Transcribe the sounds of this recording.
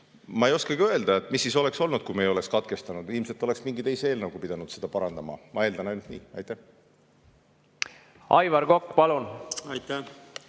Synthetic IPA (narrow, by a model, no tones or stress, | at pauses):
mɑejo̞skɑɡiø̞e̞ld̪ɑe̞t̪ːˑmisːiːso̞le̞kso̞lnud̪̥̚kujmejo̞le̞kskɑt̪ke̞st̪ɑnud̪̥ilmse̞lt̪ːˑo̞le̞ksmiŋɡit̪e̞jseeːlnɑwɡupid̪ɑnud̪̥se̞d̪̥ɑpɑɾɑnd̪ɑmɑ̰mɑe̞ːld̪ɑnɑjnud̥̪nḭːɑ̰jt̪ːæh | ʔɑjvɑɾɡokːpɑlunɑjt̪æ